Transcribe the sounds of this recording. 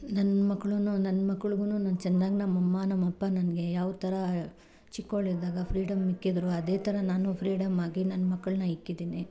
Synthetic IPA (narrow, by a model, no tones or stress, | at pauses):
nɐnːɐmɐkːɐɭununɐnːɐmɐkːɐɭuɡunuːnɐnːt͡ʃɛnd̪aːɡinɐmɐmːɐnɐmːɐpːɐnɐnɐɡe̞jaːʋt̪ʰɐɾɐ | t͡ʃikːoɭid̪aːɡɐpʰɾiːɽɐmikːid̪ɾuɐd̪e̞ːt̪ʰɐɾɐnaːnupʰɾiːɖɐmaːɡinɐnːɐmɐkːɐɭɐnɐikːid̪iːni